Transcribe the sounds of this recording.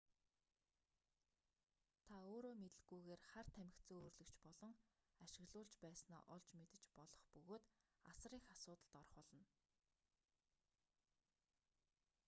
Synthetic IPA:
t̪ʰaoːɾoːmet̪ɘ̆ɡujɣeːrχart̪ʰæmɪ̆kt̪t͡sɵːoːrɮɵ̆kt͡ɕpɔɮɞ̆ŋ | aʃɪ̆ɣɮʊːɮt͡ɕpæːsnɔ̰ːʔɔɮt͡ɕmet̪ɘ̆t͡ɕpɔɮɞ̆χpɵɣoːt̪asriːxasʊːt̪ə̆ɬt̪ɔɾ̆χɔɮɞ̆n

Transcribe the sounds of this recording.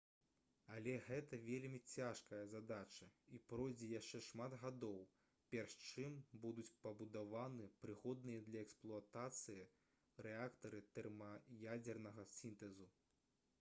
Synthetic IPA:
ɐlʲɛɣɛt̪ɐvʲelʲmʲit͡sʲaʂkɐjɐzad̪at͡ʂɐipɾɔjd͡zʲɛjaʂt͡ʂɛʂmad̪ɣad̪ɔw | pʲɛrʂt͡ʂɨmbud̪ut͡sʲpɐbud̪avanɨpɾɨɣɔd̪̚nɨjɐd̪lʲɐɛksplˠuat̪at̪sɨji | ɾɛakt̪ɐɾɨt̪ɛrmɐjad͡zʲɛrnɐɣɐsʲint̪ɛzu

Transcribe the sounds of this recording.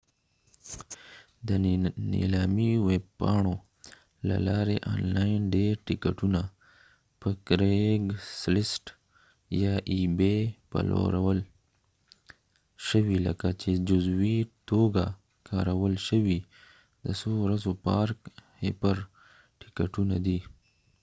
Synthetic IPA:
d̪ənḛlɑːmiweb̚pɑɳo | la̰lɑɾeʔɑ̰nlanɖeɾʈɪkaʈuna | pəkɾeɡslɪsʈ | jɑʔibepa̰lo̰ɾawəl | ʃəwilə̰kat͡ʃed͡ʒʊzwit̪oɡa | kʰaɾawəlʃəwi | d̪əsoɾazopɑɾkhepəɾ | ʈɪ̥kaʈunad̪i

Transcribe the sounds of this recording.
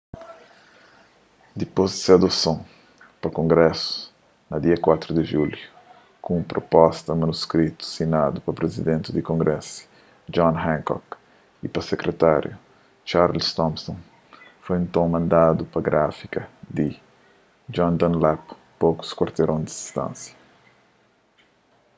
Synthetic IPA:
d̪ipozd̪ɪsead̪osõ | pɐkõŋɡɾɛsu̥ | nɐd̪iɐkwat̪ɾud̪eʒulju | kũũpɾopɔst̪ɐmɐnuskɾit̪u̥sinad̪upɐpɾezid̪ẽnt̪ɪd̪ikõŋɡɾɛsi̥ | d͡ʒɔ̃nɦɛ̃ŋkɔ̰k | ipɐsekɾet̪aɾjṵ | t͡ʃaɾlst̪ɔ̃mpsõn | fojẽnt̪õw̃mɐ̃nd̪ad̪upɐɡɾʔafikɐd̪i | d͡ʒɔ̃nd̪ɐ̃nlapː | oku̥skwaɾt̪eɾʔõnd̪id̪ist̪ɐ̰̃nsjɐ̥

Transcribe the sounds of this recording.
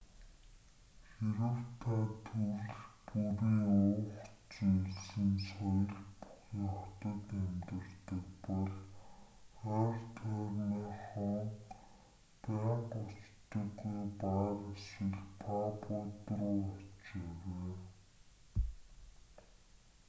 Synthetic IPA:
xeɾə̆wt̪ʰat̪ʰurɮpuɾiːŋʊːχ | t͡siɮsɘ̆nsɔjɞ̆ɮpu̥χiːŋχɔt̪ə̆t̪emt̪ɘ̆rt̪ə̆kpɔɮ | art̪ʰœːrnɔːχɔŋ | pæːɴqʊt͡ɕt̪ə̆ɡujpaɾesɘ̆ɮpʰapʊt̪rʊːɔt͡ɕeweː

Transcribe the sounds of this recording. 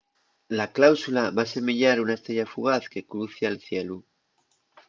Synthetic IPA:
laklawsulaβase̞meʎaɾunaest̪ɾeʎafuɣ̞aθke̞kɾuθjalθjelu

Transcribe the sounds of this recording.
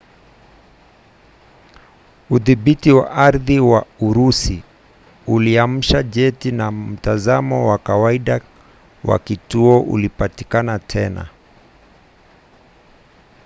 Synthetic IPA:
uðiɓitiwa̰ʔaɾðiwauɾusi | uliam̩ʃaʄɛtinam̩tazamɔwakawaiɗa | wa̰kituɔʔṵlipatikanatʰɛna̰

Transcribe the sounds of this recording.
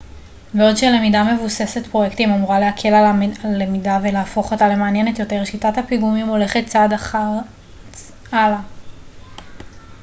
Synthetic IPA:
beo̞dʃele̞midame̞vuse̞se̞tpʁo̞jektimamuʁale̞ɦakʰe̞laalemidavelaːfo̞χo̞tale̞maːnje̞ne̞tjo̞te̞ʁʃitathapiɡumimo̞le̞χe̞t̚t͡sadaa | ala

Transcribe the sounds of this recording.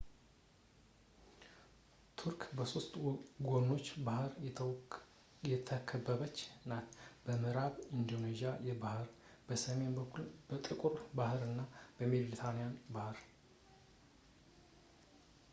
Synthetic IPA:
t̪ʰuɾkʰbəso̞st̪ʼɡonːo̞t͡ʃːbahɾ | jɛt̪ʰəkʰəbːəβət͡ʃːnat̪b̥əmɨɾaβind̪o̞neʒijajɛbahɨɾ | b̥əsəme̞nbəkʰːulbət̪ʼɨkʼuɾbahɨɾɨnːab̥əmelɾit̪ʰanijanbahɨɾ

